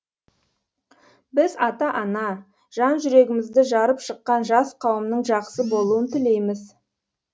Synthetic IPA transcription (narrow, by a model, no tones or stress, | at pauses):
bɪzɑt̪ɑʔɑnɑ | ʒ̥ɑnʒʏɾe̞ɡʲɪmɪzd̪ɪʒɑɾəpʃəqːɑnʒɑsqʰɑwəmnəɴʒɑqsəbo̞lˠuənt̪ʰɪle̞jmɪz